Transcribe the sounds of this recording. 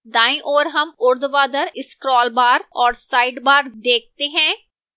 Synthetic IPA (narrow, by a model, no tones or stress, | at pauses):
d̪aːĩʔoːɾɦəmʊɾd̪ʋaːd̪əɾɪskɾɔːlbaːɾɔːɾsaːiɖbaːɾd̪eːk̚ʰt̪eːɦɛ̃ː